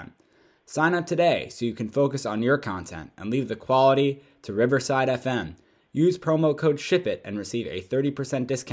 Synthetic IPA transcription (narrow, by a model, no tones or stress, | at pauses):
m | sãɪ̃nʌp̚tʰɨdeɪsoʊjɨkʰɨ̃n̩foʊkɨsn̩jə˞kʰɑ̃ntʰɛ̰̃ntɨ̰̃nlivðɨkʰw̥ɑlˠəɾi | ɾɨɹɪvə˞saɪɾɛfɛ̃m | jʉz̥pʰɹ̥oʊmoʊkʰoʊdʃɪpɪɾɨ̰̃nɹɨsivɨ̰θɜ˞ɾipʰə˞sɛ̃ntd̥ɨskʰã